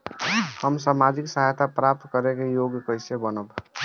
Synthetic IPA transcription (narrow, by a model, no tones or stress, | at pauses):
həmsamad͡ʒiksəɦajt̪apɾap̚t̪kəɾekejoɡjkəɪsebənəb